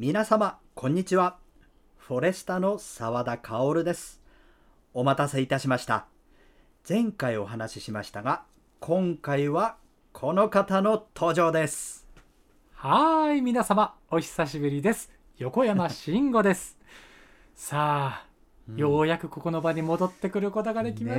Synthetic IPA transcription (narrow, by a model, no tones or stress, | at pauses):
mʲinasamakʰõ̞ɲ̟ːit͡ɕiβa | ɸo̞ɾe̞sɨ̥t̪ano̞saβad̪akʰaoɾɯ̟d̪e̞sɨ̥ | o̞mat̪aseit̪aɕimaɕi̥t̪a̰ | z̥ẽ̞ŋkaio̞ɦanaɕiɕimaɕi̥t̪aɡa | kʰõ̞ŋkaiβa | kʰo̞no̞kat̪ano̞t̪ʰo̞ːʑo̞ːd̪e̞sɨ̥ | haimʲinasamaoçi̥saɕibɯ̟ɾʲid̪e̞sɨ̥ | jo̞ko̞jamaɕĩŋɡo̞d̪e̞sɨ̥ | saː | jo̞ːjakɯ̟ko̞ko̞no̞baɲimo̞d̪o̞t̪ːe̞kɯ̟ɾɯ̟ko̞t̪o̞ɡad̪e̞kʲima